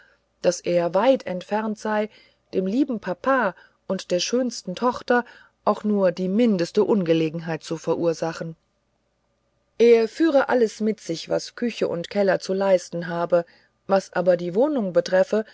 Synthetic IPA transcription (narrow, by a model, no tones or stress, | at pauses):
d̥asʔeːɐvaɪtʰɛ̰ntfɛɐntz̥aɪ | d̥eːmliːbm̩pʰapʰaː | ʔʊntd̥eːɐʃøːnstn̩tʰɔχtɐ | ʔaʊxnuːɐdiːmɪndəstəʔʊnɡəleːɡŋ̩ɦaɪt̚t͡sufɛɐʔuːɐzaχn̩ | ʔeːɐfyːʁ̞əʔaləsmɪtz̥ɪçv̥askʰʏçəʔʊ̰ntkʰɛlɐt͡sulaɪstn̩ɦaːbə | vasʔaːbɐdiːvoːnʊŋbətʁ̥ɛfə